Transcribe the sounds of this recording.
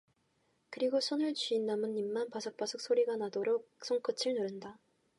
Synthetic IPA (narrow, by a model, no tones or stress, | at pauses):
kɯɾiɡosʰʌnɯɭt͡ɕiinːamɯnːimːanpasʰʌk̚p͈asʰɯk̚s͈oɾiɡanadoɾok̚s͈ʰoŋkʰɯt͡ɕʰiɭnɯɾɯnda